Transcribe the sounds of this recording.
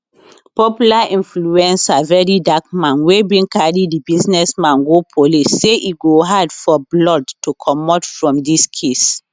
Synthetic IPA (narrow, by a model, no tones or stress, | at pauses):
pɔpjulaʔĩnfluɛ̃nsavɛɹidak̚mãnwebĩnkaɹidibiznɛsmãnɡopʰolisːeʔiɡoɦadfɔblɔdtukʰɔmɔtfɹɔ̃mdiskʰes